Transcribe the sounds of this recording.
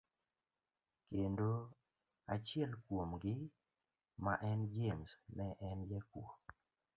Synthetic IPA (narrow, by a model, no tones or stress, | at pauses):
kendo | at͡ʃɪɛlkwomɡɪ | maʔɛnd͡ʒemsnɛʔɛnd͡ʒɛkwo